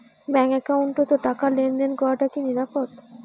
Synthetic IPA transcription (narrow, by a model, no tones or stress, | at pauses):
bɛŋɛkauɳʈot̪oʈakalend̪enkɔɾaʈakiniɾapot̪